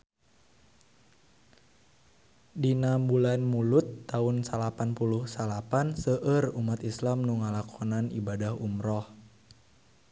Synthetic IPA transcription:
dinambulanmulut̪ːaunsalapanpuluhsalapansəʔərumat̪islamnuŋalakʰɔnanibadahumɾɔh

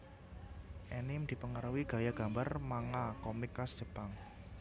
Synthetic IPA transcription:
ʔɛnɪmd̪̥i̤pəŋəɾəwiɡ̥ä̤jaɡ̥a̤mbarmaŋakɔmɪkːasd̥ʒ̥ə̤paŋ

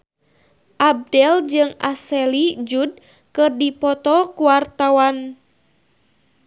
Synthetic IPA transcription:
ʔab̚dɛld͡ʒɨŋa̰sɛlid͡ʒud̚ | kɨrdipɔt̪ɔkuwart̪awan

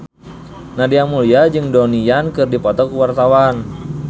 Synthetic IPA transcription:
nadiamuliad͡ʒɨŋdɔnijankɨrdipɔt̪ɔkuwart̪awan

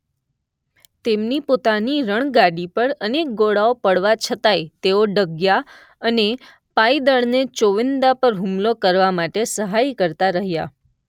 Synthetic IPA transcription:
t̪emnipot̪aniɾəɳ̃ɡaɽipəɽənek̚ɡoɽaopəɽʋat͡ʃʰət̪ajt̪eoɖəɡja | əne | paid̪əɭnet͡ʃoʋɪnd̪apəɾɦumlokəɾʋamaʈesəɦajkəɾt̪aɾəɦja̰

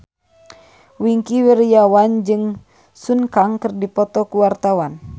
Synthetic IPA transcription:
wiŋkiwɛɾijawand͡ʒɨŋ | sunkaŋkɨrdipɔt̪ɔkuwart̪awan

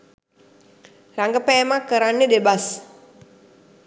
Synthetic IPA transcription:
ɾaŋɡəpɛmakəɾanidebas

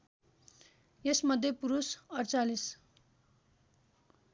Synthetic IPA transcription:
jesmʌd̪ʱjepuɾusʌrt͡salis

